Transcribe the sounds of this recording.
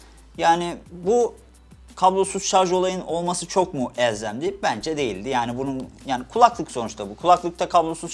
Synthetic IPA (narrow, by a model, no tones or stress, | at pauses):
jaːnɪbu | kʰablˠo̞suzʃaɾʒo̞lˠajɯno̞lˠmasɯt͡ʃʰo̞kmuʔɛzæmd̪ɪbænd͡ʒɛd̪e̞jḭlʲd̪ijaːnibununjaːnikʰulˠaklˠɯkso̞nut͡ʃt̪abukʰulˠaklˠɯk̚t̪ʰakʰablˠo̞suz